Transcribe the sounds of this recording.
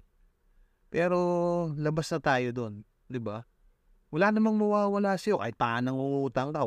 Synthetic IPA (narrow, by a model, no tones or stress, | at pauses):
pɛːɾo̞lɐbasnɐt̪aːjo̞d̪o̞n | d̪ɪba | wɐlaːnɐmaŋmɐwaːwɐlaːsɐjo̞ka̰ːɪt̪̚paʔɐnɐŋuʔuːt̪ɐŋd̪ɐ